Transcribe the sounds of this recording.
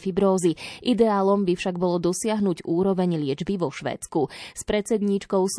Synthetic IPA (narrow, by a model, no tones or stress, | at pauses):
fibɾɔːziʔid̪ɛaːlɔmbifʃaɡbɔlɔd̪ɔsɪaɦnuɟuːɾɔʋɛɲlɪɛd͡ʒbiʋɔʃʋɛ̰ːt͡skuspɾɛt͡sɛd̪ɲit͡ʃkɔʊs